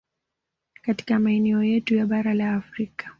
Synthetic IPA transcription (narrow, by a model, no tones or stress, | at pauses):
kati̥kamaɛnɛɔjɛtujaɓaɾalaːfɾikḁ